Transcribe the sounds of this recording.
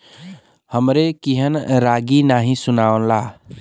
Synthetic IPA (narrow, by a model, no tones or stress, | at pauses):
həmɾekiɦənɾaɡinaɦĩsʊnanla